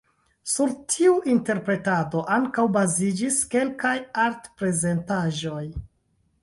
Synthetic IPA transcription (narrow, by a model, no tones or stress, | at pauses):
suɾtʰiuʔinte̞ɾpɾe̞tado̞ʔaŋkawbazid͡ʒiske̞lkajaɾtpɾe̞ze̞ntaʒo̞j